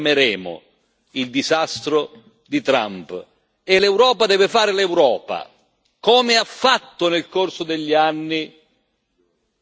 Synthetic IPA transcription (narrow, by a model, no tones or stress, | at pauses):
meɾɛːmʊ̰ | ild̪izast̪ɾʊ | d̪it̪ɾa̰mp | elɛwɾɔːpad̪ɛːvɪfaːɾɪlewɾɔːpa̰ | kɔːmɪafːat̪ːʊnelkorsʊd̪eʎːianːi